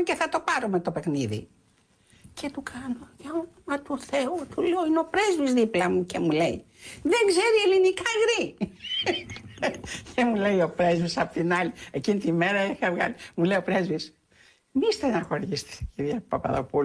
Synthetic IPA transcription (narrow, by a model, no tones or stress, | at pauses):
ceθɐt̪o̞pɐɾomet̪o̞pe̞xniðḭ | cʰe̞t̪ukʰɐnojeomɐt̪uθe̞ut̪uleo̞ineopɾe̞zvizðiplɐmucemule̞i | ðe̞ŋɡze̞ɾielinikɐɣɾi | cemule̞jo̞pɾe̞zvisɐpot̪inɐliecinit̪ime̞ɾɐixɐvɣɐ̰limulejo̞pɾe̞zvis | mist̪enɐxoɾʝist̪e̥ciɾʝɐpɐpɐ̰ðo̰pul